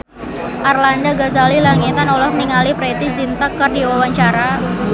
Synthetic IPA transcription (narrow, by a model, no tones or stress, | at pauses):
ʔarlandaɡazalilaŋit̪anɔlɔhniŋalipɾet̪izint̪əkːərdiwawaɲt͡ʃaɾa